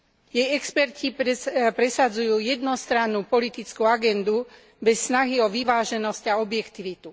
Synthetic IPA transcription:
jɛjɛkspɛɾcipɾɛsad͡zujuːjɛd̪nɔst̪ɾanːupɔlit̪it͡skuaɡɛnd̪u | bɛsːnaɦiɔʋiʋaːʒɛnɔscaɔbjɛkt̪iʋit̪u

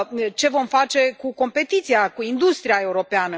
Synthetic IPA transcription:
t͡ʃe̞vo̞mfat͡ʃe̞kuko̞mpe̞t̪it̪siakuind̪ust̪ɾiae̞uɾo̞peanə

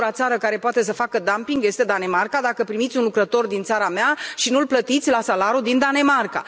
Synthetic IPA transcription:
ɾat̪saɾəkaɾe̞poat̪e̞s̬əfakəd̪ampiŋɡje̞st̪e̞d̪ane̞markad̪akəpɾimit̪sʲunlukɾət̪o̞rd̪int̪saɾameaʃinulplət̪it̪sʲlasalaɾud̪ind̪ane̞marka̰

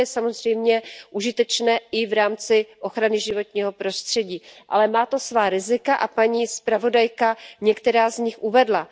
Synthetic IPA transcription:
jɛsamo̞zr̝ɛjmɲɛʔuʒɪt̪ɛt͡ʃnɛːɪvɾaːmt͡sɪʔo̞xɾanɪʒɪvo̞t̪ɲiːɦo̞pɾo̞st̪r̝̥ɛɟiːʔa̰lɛmaːt̪o̞svaːɾɪzɪkaʔapaɲiːspɾavo̞dajkaɲɛkt̪ɛɾaːzɲɪxʔuvɛdla

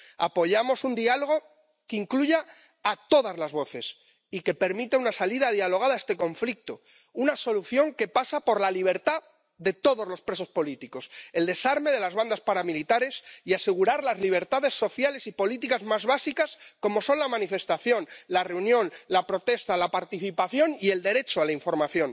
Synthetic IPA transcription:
a̰po̞ʝamo̞sund̪ialo̞ɣ̞o̞ | keiŋkluʝaː | t̪o̞ðazlazβo̞θe̞s | ike̞pe̞ɾmit̪eunasaliðaðjalo̞ɣ̞aðaest̪e̞ko̞ɱflik̚t̪o | unaso̞luθjo̞ŋke̞pasapo̞ɾlaliβ̞e̞ɾt̪a | ðe̞t̪o̞ðo̞zlo̞spɾe̞so̞spo̞lit̪iko̞se̞ld̪e̞saɾme̞ð̞e̞lazβand̪aspaɾamilit̪aɾe̞siase̞ɣ̞uɾaɾlazliβ̞e̞ɾt̪aðe̞sːo̞θjale̞sipo̞lit̪ikazmazβasikasko̞mo̞so̞nlamãnife̞st̪aθjo̞nlare̞unjõ̞nlapɾo̞t̪e̞st̪alapaɾt̪iθipaθjo̞nie̞ld̪e̞ɾe̞t͡ʃoalaiɱfo̞ɾmaθjo̞n

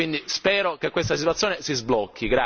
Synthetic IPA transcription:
ind̪ispɛːɾokekːwest̪asit̪uat̪sːjoːnesizblɔkːiɡɾa

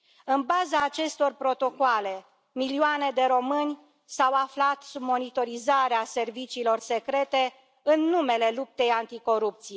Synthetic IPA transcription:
ɨnbazaːt͡ʃe̞st̪o̞rpɾo̞t̪o̞koale̞ | milioane̞d̪e̞ɾo̞mɨnʲ | sawaflat̪submo̞nit̪o̞ɾizaɾease̞rvit͡ʃiːlo̞rse̞kɾe̞t̪e̞ | ɨnːume̞le̞lup̚t̪e̞jant̪iko̞ɾup̚t̪sije

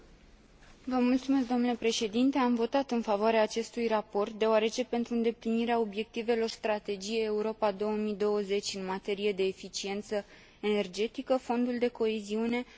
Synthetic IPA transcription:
vəmult̪sume̞s̬k̚d̪o̞mnulepɾe̞ʃe̞d̪int̪e̞amvo̞t̪at̪ɨnfavoaɾeaːt͡ʃe̞st̪ujrapo̞rt̪̚d̪e̞oaɾe̞t͡ʃe̞pe̞nt̪ɾuɨnd̪e̞pliniɾeao̞bje̞k̚t̪ive̞lo̞rst̪ɾat̪e̞d͡ʒijejeuɾo̞pad̪o̞wəmid̪o̞wəze̞t͡ʃʲɨnmat̪e̞ɾije̞d̪e̞ːfit͡ʃie̞nt̪sə | ene̞rd͡ʒe̞t̪ikəfo̞nd̪uld̪e̞ko̞eziune̞

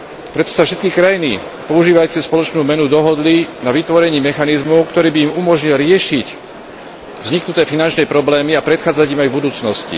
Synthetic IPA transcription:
pɾɛt̪ɔ̥safʃɛt̪kikɾajinḭ | pɔuʒiːʋajt͡sɛspɔlɔt͡ʃnuːmɛnud̪ɔɦɔd̪linaʋit̪ʋɔɾɛɲiːmɛxanizmɔʊkt̪ɔɾiːbiːmumɔʒɲilɾɪɛʃic | vzɲiknut̪ɛːfinant͡ʃnɛpɾɔblɛːmiapɾɛt̪xaːd͡zaɟimajvbud̪uːt͡snɔscḭ

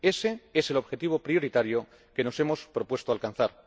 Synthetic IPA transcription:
e̞se̞ese̞lo̞βxe̞t̪iβo̞pɾio̞ɾit̪aɾjo | ke̞no̞se̞mo̞spɾo̞pwe̞st̪oalkan̟θaɾ

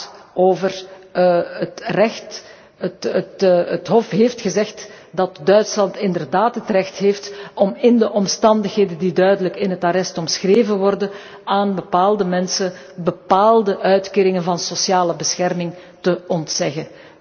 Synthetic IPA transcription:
oːvər | ətrɛxt | ətətətɦɔfɦeːftxəzɛxt | dɑtdœɥtslɑntɪndərdaːtɦətrɛxtɦeːftɔmɪndəʔɔmstɑndəxɦeːdəndidœɥdələkɪnɦətaɾɛstɔmsxreːvənʋɔrdən | aːnbəpaːlˠdəmɛnsən | bəpaːlˠdəʔœɥtkeːɾɪŋənvɑnsosjaːləbəsxɛrmɪŋ | təɔntsɛɣə

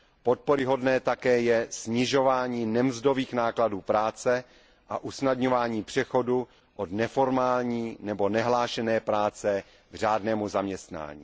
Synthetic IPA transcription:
po̞t̪̚poɾɪɦo̞dnɛːt̪akɛːjɛsɲɪʒo̞vaːɲiːnɛmzdo̞viːxnaːkladuːpɾaːt͡sɛ | ʔa̰ʔusnadɲo̞vaːɲiːpr̥ɛxo̞du | ʔodnɛfo̞ɾmaːlɲiːnɛbo̞nɛɦlaːʃɛnɛːpɾaːt͡sɛ | ɡr̝aːdnɛːmuzamɲɛst̪na̰ːɲḭː

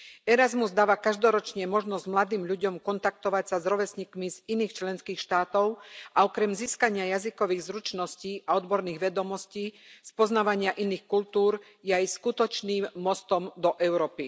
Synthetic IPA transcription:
ɛɾazmuzd̪aːʋakaʒd̪ɔɾɔt͡ʃɲɛmɔʒnɔzɟmlad̪iːmʎuɟɔmkɔnt̪ak̚t̪ɔʋacsazɾɔʋɛsɲikmiziniːxt͡ʃlɛnskiːxʃt̪aːt̪ɔʊʔaɔkɾɛmziːskaɲɪajazikɔʋiːɣzɾut͡ʃnɔsciːʔaɔd̪bɔɾniːɣʋɛd̪ɔmɔsciːspɔznaːʋaɲɪaʔiniːxkult̪uːɾ | jɛajskut̪ɔt͡ʃniːmːɔst̪ɔmd̪ɔʔɛʊɾɔːpi

